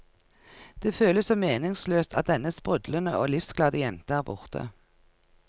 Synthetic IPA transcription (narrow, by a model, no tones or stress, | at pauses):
d̪̥eːføːləssɔmeːnɪŋsløːst̪ʰɑt̪̚d̪ɛnːəspʁʉd̪lənəʔoːlɪfsklɑːd̪əjɛnt̪əæːʁbʊʁt̪ʰə̰